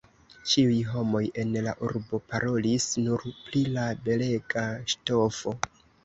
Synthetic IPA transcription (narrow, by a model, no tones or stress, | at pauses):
t͡ʃiujɦo̞mo̞je̞nlaʔuɾbo̞paɾo̞lisnuɾplilabe̞le̞ɡaʃto̞fo̞